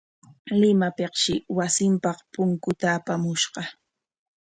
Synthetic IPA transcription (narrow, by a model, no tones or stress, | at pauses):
lɪmapeqʃɪwasɪmpɑχpʊŋkʊt̪aːpamʊʃɢɑ